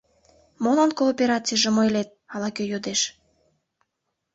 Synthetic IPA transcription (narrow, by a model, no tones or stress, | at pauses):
monɑnkoːpʲeɾɑt͡sijʒĕmojlet̪̚ɑlɑkøjod̪eʃ